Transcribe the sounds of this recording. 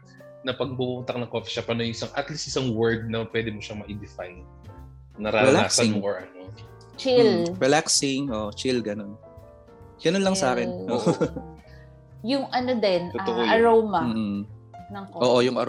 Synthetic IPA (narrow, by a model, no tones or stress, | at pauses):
nɐpɐɡ̚bumʊnt̪ɐkŋnɐŋkoːfi̥ʃapɐnojʊŋɪsaŋʔɐt̪list̪ʔɪsaŋwɛɹd̪̚nɐpwɛd̪ɪmoʃɐmɐʔɪd̪ɪfajnː | ɐɾaːɾɛɐla̰ːksɐɪŋoɹʔɐno | t͡ʃɪlɹɛlaksɪŋʔoːʔot͡ʃɪlɡɐno̞n | ɡ̥ɐnonlɐŋsaːkɛnoʔ | jʊŋʔɐnod̪ɛnt̪oat̪oʔoɐɾowmɐm̩ːnɐʔoːʔojʊŋʔɐɾ